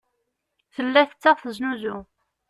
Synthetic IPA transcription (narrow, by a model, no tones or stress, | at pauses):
θəlːæθt͡sːɑʁθəznuzu